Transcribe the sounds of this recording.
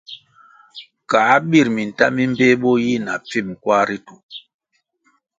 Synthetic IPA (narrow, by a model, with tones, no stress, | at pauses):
kaː˨˦ɓi˦˨ɾmi˨n˨ta̰˦mi˦m˦be˦ɓɔ˦ji˦˨na˨p͡fi˦˨m˨kwa˦ɾi˦tu˨